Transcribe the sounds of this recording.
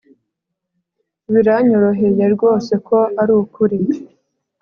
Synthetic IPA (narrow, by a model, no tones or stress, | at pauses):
βiɾaɲo̞ɾo̞ɦe̞je̞ɾɡo̞ːse̞kʰo̞aɾuːkuɾi